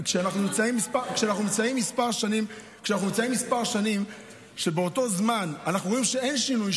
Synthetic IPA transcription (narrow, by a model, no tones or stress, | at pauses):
kʃeanaχnunimt͡saimːispakʃeanaχnunimt͡saimːispaʁʃanimkʃeanaχnuimt͡saimːispaʁʃanim | ʃe̞beo̞to̞zmananaχnuʁo̞imʃee̞nʃinuj